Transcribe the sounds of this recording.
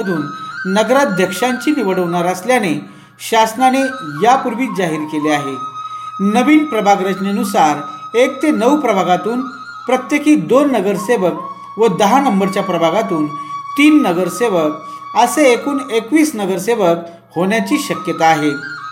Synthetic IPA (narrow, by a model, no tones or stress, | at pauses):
əd̪ʱuːnːəɡɾad̪ʱjəkʂaɲt͡ɕiːniʋəɽəʋɳaɾəsljane | ɕasnanejapuɾʋiːd͡zaɦiːɾkeleaɦe | nəʋiːnpɾəbʱaɡɾəd͡ʑneənusaɾekt̪enəwpɾəbʱaɡat̪uːn | pɾət̪jekiːd̪onːəɡəɾseʋək̚ | ʋəd̪əɦanəmbəɾt͡ɕjapɾəbʱaɡat̪uːnt̪iːnːəɡəɾseʋək | əseːkuːnekʋiːsnəɡəɾseʋək̚ | hoɳjat͡ɕiːɕəkjət̪aːɦe